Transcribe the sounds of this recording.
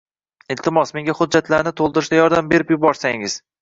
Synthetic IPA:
ɪlt̪ʰɪmɒsmeŋɡʲahʊd͡ʒːat̪laɾnɪt̪ʰolˠd̪ɪɾɪʃd̪ajɒɾd̪ambe̞ɾɪpjʊbɒɾsaŋɪz̥

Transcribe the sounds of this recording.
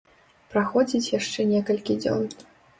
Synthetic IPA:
pɾaxɔd͡zʲit͡sʲjaʂt͡ʂɛnʲɛkɐlʲkʲid͡zʲɔ̰n

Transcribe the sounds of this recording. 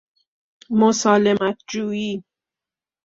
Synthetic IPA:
mosɒːlemæt̪̚ʰd͡ʒuːiː

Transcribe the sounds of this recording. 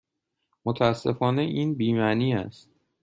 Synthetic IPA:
mot̪ʰææsːe̞fɒːne̞ʔiːnbiːmæniːæ̰st̪̚

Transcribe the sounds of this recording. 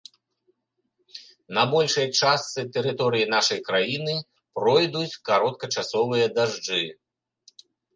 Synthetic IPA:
nɐbɔlʲʂɐjt͡ʂast̪sɨt̪ɛɾɨt̪ɔɾɨjin̪aʂɐjkɾajinɨ | pɾɔjd̪ut͡sʲkaɾɔt̪̚kɐt͡ʂasɔvɨjɐd̪aʐd͡ʐɨ

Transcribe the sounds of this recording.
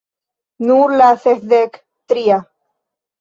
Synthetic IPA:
nuɾlaθehðek | t̪ɾia

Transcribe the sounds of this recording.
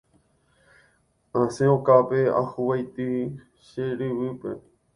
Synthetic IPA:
ãsẽõkapea̰huwajt̪ɨ | ʃeɾɨʋɨpḛ

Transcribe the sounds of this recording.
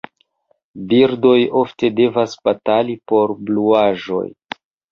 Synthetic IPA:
biɾdo̞jo̞fte̞de̞vasb̥atalipo̞ɾbluaʒo̞̰j

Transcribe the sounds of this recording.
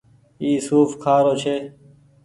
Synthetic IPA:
iːsuːfkʰaːɾoːt͡ʃʰeː

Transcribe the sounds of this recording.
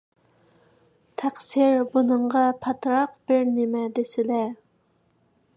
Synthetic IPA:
t̪ʰæqsiɾbunɨɴʁɑpʰɑt̪ɾɑqb̥ɪɾnɪmɛd̪esɪlɛ

